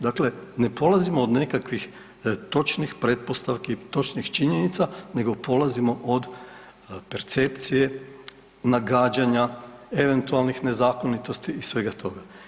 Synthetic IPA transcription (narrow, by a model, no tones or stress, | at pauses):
d̪akle̞ne̞po̞lazimoːd̪ne̞kakʋix | t̪o̞t͡ʃnixpɾe̞t̪̚po̞st̪aʋkit̪o̞t͡ʃnixt͡ʃiɲe̞nit̪sane̞ɡo̞po̞lazimo̞ʔod̪ | pe̞ɾt̪se̞pt̪sije̞ | naɡaːd͡ʒaɲae̞ʋe̞nt̪ualnixne̞zaːko̞nit̪o̞st̪iːsʋe̞ɡat̪ʰo̞ɡa